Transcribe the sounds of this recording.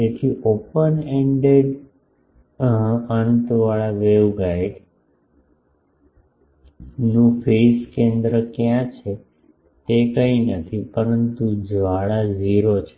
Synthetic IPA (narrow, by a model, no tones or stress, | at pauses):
d͡ʒet̪ʰiʔopəneɳɖeɖ | ənt̪ʋaɭaʋeʋɡaiɖ | nũfʰeskẽnd̪ɾəkjãt͡ʃʰe | t̪ekəinət̪ʰipəɾənt̪ud͡ʒʋaɭad͡ʒiɾot͡ʃʰe̥